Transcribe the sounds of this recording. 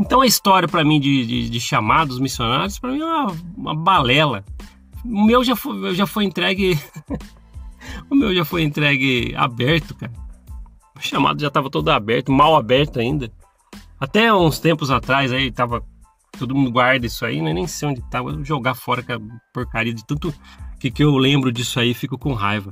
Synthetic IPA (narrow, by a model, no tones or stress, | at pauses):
ẽnt̪ɐ̃w̃ɐist̪ɔɾiɐpɾɐmĩd͡ʒɪd͡ʒɪ̰d͡ʒɪʃamad̪ʊzmisjonaɾjʊspɾɐmĩɛ̃mɐũmɐ̰balɛlɐ | ʊmewʒafomewʒafojẽnt̪ɾɛɡɪ | ʊmewʒafojẽnt̪ɾɛɡɪa̰bɛɾt̪ʊkaɾɐ̃ | ʃama̰d̪ʊʒat̪avɐt̪od̪ʊabɛɾt̪ʊmawabɛɾt̪ʊaĩnd̪ɐ | at̪ɛawũst̪ẽmpʊzat̪ɾajzait̪avɐ | t̪od̪ʊmũnd̪ʊɡwaɾd̪ɐisʊaḭnɛ̃nẽj̃sejõd͡ʒɪt̪aɡewʒoɡafɔɾɐkɐpoɾkaɾiɐd͡ʒɪt̪ɐ̃nt̪ʊkɪkɪewlẽmbɾʊd͡ʒisʊaifikʊkõɦa̰jvɐ